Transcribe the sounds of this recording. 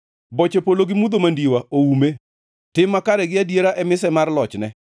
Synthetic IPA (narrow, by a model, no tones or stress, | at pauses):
bɔt͡ʃepoloɡɪmud̪omandiwaoume | tɪmːakaɾɛɡɪadjeɾaʔɛmɪsɛmarlɔt͡ʃnɛ